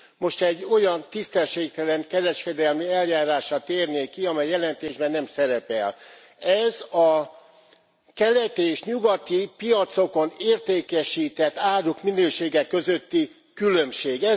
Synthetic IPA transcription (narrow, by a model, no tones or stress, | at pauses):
mo̞ʃt̪ɛɟːo̞jɒnt̪ist̪ɛʃeːk̚t̪ɛlɛŋkɛɾɛʃkɛd̪ɛlmiɛljaːɾaːʃɒt̪eːrneːkiɒmɛjːɛlɛnt̪eːʒbɛnːɛmsɛɾɛpɛl | ɛzɒ | kɛlɛt̪iːʃɲuɡɒt̪ipijɒt̪so̞koneːrt̪eːkɛʃiːt̪ɛt̪ːaːɾukminøːʃeːɡɛkːø̞zø̞t̪ːi | kylø̞mʃeːɡɛ